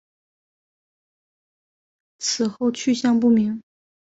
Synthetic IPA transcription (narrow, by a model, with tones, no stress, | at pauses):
t͡sʰɹ̩˨˩xo˥˧ʊt͡ɕʰy˥˧ɕjɑ˥˧ŋpu˥˩mi˧˥ŋ